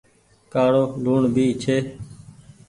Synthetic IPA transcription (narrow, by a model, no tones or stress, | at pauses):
kaːɽoːluːɳbʱiːt͡ʃʰeː